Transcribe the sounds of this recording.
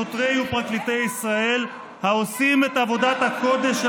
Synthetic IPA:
ot̪ʁejupʁaklit̪e̞jisʁae̞l | haosime̞t̪avo̞dat̪hako̞d̪e̞ʃ

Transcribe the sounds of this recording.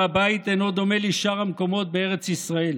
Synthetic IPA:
abait̪eno̞d̪o̞me̞liʃaʁamko̞mo̞t̪̚beeʁet͡sisʁae̞l

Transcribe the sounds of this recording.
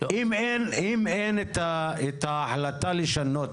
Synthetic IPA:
ʔimenimenet̪aet̪aaħlat̪aliʃanot̪

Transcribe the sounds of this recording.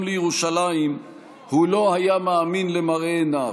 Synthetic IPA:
mlejeʁuʃalaim | hulo̞hajameːminlemaʁeːna

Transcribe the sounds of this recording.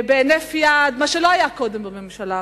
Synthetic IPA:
beːnefjad̪maʃeloajako̞d̪embamemʃala

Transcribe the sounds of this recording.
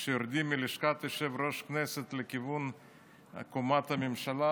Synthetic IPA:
ʃejoɾd̪imːiliʃkat̪eʃevɾo̞ʃknɛset̪lekivun | a̰komat̪hamemʃala

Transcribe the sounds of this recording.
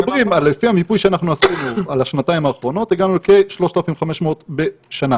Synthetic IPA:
bʁimalːefihamipujʃeanaχnuasinualaʃnataimaːχʁo̞no̞t̪eɡanulkeʃlo̞ʃt̪alafimvχameʃmeot̪be̞ | ʃana

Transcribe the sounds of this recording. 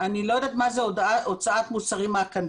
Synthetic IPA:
anilojd̪aːt̪mazeodot͡saat̪musaʁimaakan

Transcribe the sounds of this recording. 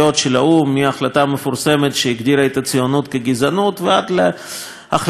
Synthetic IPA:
o̞t̪ʃelaumːiaχlat̪amefuɾse̞met̪ʃeiɡd̪iɾaet̪at͡sijonut̪keɡizanut̪vead̪le | aχl

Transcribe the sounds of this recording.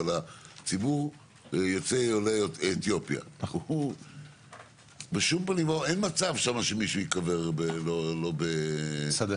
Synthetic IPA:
alat͡sibuʁ | jot͡seoleet̪jo̞pja̰ | beʃumpanimoenmat͡savʃamaʃemiʃuikaveʁbelolo̞besd

